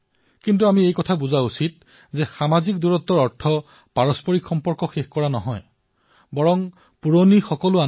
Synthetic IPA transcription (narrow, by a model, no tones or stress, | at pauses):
kintuamiejkɔtʰabuzausit̚ | zɛxamazikduɹɔtːɔɹɔɹtʰɔ | paɹɔspɔɹikxɔmpɔɹkɔxexkɔɹanɔɦɔj | bɔɹɔm | puɹonixɔkɔlʊa